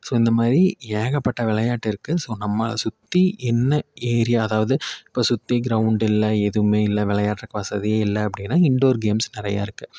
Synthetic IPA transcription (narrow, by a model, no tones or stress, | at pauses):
soːɪnd̪ɐmaːd̪ɾieːɣɐpːɐʈːɐʋɪɭɐjaːʈːɪɾɯkːɯsoːnɐmːɐ̰sʊt̪ːiʔɛnːɐeːɾɪjaɐðaːʋɐðɯɪpːoːsʊt̪ːeɡɪɾɐʋʊɳɖɪlːɐɛðɯmeːɪlːɐʋɪɭɐjaːʈːɐkːɐʋɐsɐðɪjeɪlːɐɐp̬ːɐɽɪnːaːɪɳɖoːɾɡeːmsnɪɾɐja̰ːɪɾɯkːɯ